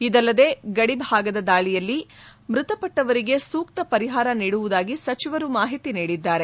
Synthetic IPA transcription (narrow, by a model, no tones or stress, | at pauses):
id̪ɐlːɐd̪e̞ɡɐɽibʱaːɡɐd̪ɐd̪aːɭijɐlːimɾut̪ɐpɐʈːɐʋɐɾiɡe̞suːkt̪ɐpɐɾiɦaːɾɐniːɽuʋud̪aːɡisɐt͡ʃiʋɐɾumaːɦit̪iniːɽid̪ːaːɾe̞